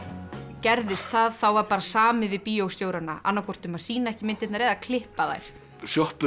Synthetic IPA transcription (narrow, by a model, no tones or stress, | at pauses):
cɛɾðɪst̪θaðθawvaɾpaːɾasaːmɪvɪðpiːjowst̪jowɾanaʔa̰nːakʰɔr̥t̪ʏmaðsiːnaɛhcɪmɪnt̪ɪt̪naɾeːjðakʰlɪhpaða̰jɾ̥ | sjɔhpʏ